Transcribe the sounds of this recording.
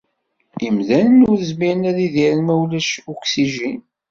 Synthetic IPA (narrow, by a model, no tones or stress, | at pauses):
imðænənʊɾəzmiənæðiðiɾnmæwlæʃuksiʒin